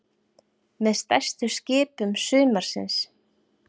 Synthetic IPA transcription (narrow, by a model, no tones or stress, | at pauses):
mɛðst̪ast̪ʏscɪːpʏmsʏːmaɾ̥sɪ̰ns